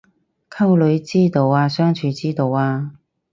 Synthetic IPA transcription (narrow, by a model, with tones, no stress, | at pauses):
kʰɐ˥wlɵ˨˧ɥt͡siː˥t̪o˨˧waː˧sœː˥ŋt͡ʃʰyː˨˧t͡siː˥t̪o˨˧waː˧